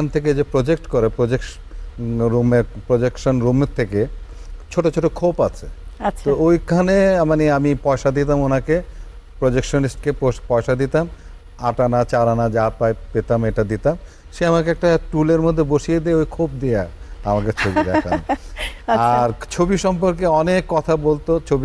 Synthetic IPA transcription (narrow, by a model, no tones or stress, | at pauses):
ant̪ʰek̬ed͡ʑepɾod͡ʑek̚ʈkoɾepɾod͡ʑek | ɾumepɾod͡ʑekʃonɾumet̪ʰeket͡ɕʰoʈot͡ɕʰoʈokʰopat͡ɕʰḛaoojkʰanemaniamipɔeʃad̪it̪amonake | pɾod͡ʑekʃonisʈkepopɔeʃad̪it̪am | aʈanat͡ɕaɾanad͡ʑapaepet̪ameʈad̪it̪am | ʃeamakeɛk̚ʈaʈuleɾmod̪ʱːeboʃied̪ieojkʰop̚d̪ija | amakeɾt͡ɕʰobid̪ɛkʰa̰naaɾt͡ɕʰobiʃɔmpoɾkeɔnekːɔt̪ʰabolt̪ot͡ɕʰobi